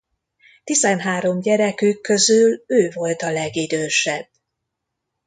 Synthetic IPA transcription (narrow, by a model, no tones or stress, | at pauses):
t̪izɛnɦaːɾo̞mɟɛɾɛkykːø̞zyløːvo̞lt̪ɒlɛɡid̪øːʃɛb̥ː